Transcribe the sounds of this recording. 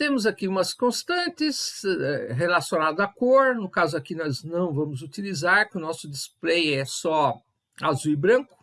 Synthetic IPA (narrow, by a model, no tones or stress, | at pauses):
t̪ẽmʊzakiũmɐskõst̪ɐ̃nt̪ɪsɛɦelasjonad̪ʊakoɾnʊkazʊakinɔznɐ̃w̃vɐ̃mʊzut̪ilizaɾkɪʊnɔsʊd̪ɪsplejɛsɔ | azujbɾɐ̃kʊ̥